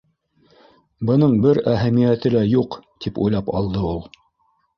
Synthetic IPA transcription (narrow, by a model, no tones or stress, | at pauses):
bɤ̆nɤɴbɘɾæɦæmijæt̪ɘlæjuqt̪ipṵjlˠɑpɑ̰lˠd̪ɤulˠ